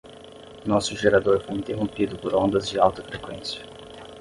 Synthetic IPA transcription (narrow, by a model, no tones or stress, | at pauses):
nɔsʊʒeɾad̪oɾfojĩnt̪eɦõmpid̪ʊpoɾõnd̪ɐzd͡ʒɪawt̪ɐfɾekwẽsiɐ̥